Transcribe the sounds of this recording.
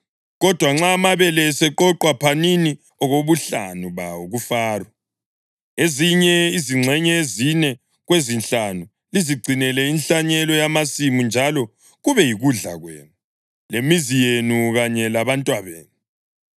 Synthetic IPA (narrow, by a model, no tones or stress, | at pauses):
ɣɔd̥ʱwaŋ͡ǁamaβɛlɛsɛǃɔǃwapʰanini | ɔɣoβuɬa̰nuβa̰oɣufaːrwa | eziɲɛiziŋ͡ǀʱɛɲɛezinɛ | ɣwezinɬanu | liziɡ͡ǀʱinɛlɛinɬaɲɛlɔjamasimund͡ʒʱalɔ | ɣuβɛjiɣuɮa̰ɣwɛ̰ːnu | lemizijenuɣaɲɛlaβantʼwaβḛːnu